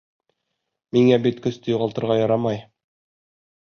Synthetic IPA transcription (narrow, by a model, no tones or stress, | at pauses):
miŋæbit̪kɵ̆st̪ɵjuʁɑlˠt̪ɤ̆ɾʁɑjɑɾɑmɑj